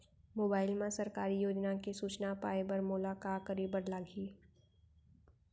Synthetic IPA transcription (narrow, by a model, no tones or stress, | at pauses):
moːbaːɪlmẽsəɾkaːɾijoːd͡ʒnakisuːt͡ʃnapaːebəɾmʊlakaːkəɾibəɽlaːɡʱiː